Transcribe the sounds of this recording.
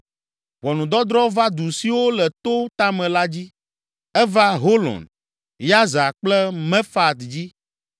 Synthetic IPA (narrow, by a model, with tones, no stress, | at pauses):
wɔ˨nũ˨d̪ɔ˦d̪ɾɔ˦va˦d̪u˨si˨wo˦lɛ˨t̪o˦t̪a˦mɛ̃˨la˦d͡ʑi˦ | ɛ˦va˦ɦo˦lɔ̰˨n | ja˦za˨k͡plɛ˦mɛ̃˦fa˦t̪d͡ʑi˦